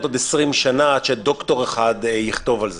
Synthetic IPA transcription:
t̪od̪esʁimʃanaadʃed̪o̞kt̪o̞ʁeχad̪jiχt̪o̞valze

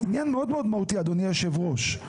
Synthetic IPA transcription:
injanmeod̪meod̪mahut̪iad̪onijaʃevʁo̞ʃ

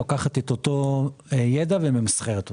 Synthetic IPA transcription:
akaχat̪et̪ot̪ojed̪avememisχeʁet̪o

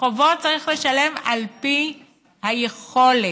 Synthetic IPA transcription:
ovo̞tt͡saʁiχle̞ʃale̞malpi | hajeχo̞le

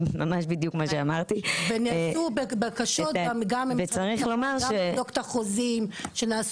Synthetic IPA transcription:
mamaʃbid̪jukmaʃeamaʁt̪iveniubebekaʃotamɡamemvet͡saʁiχlo̞maʁɡʃedoktaχozimʃenaːs

